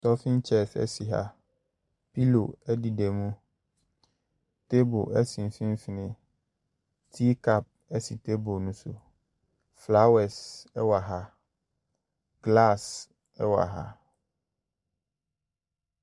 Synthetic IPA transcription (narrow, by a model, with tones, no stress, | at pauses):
t̪ɔ˦fĩ˦n˦t͡ʃɛ˦˨sɛ̰˦si˨ɦa̰˦ | pi˦lo̰˨ɛ˦di˨ɖe˨mũ˦ | t̪e˦bo̰˨ʔɛ˦si˨n˨˦fĩ˦n˦fi˦nɪ̃˨ | t̪ʰi˦ka˦p̚ɛ˦si˨t̪e˦bo˨nũ˦sṵ˨ | fla˦wɛ˨sɛ˦wa˨ɦa˦ | ɡla˦˨s | ɛ˦wa̰˨ɦa̰˦